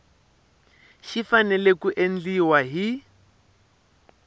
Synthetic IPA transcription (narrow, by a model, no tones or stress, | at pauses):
ʃifanɛlekuʔen̩d͡ɮiwaɦi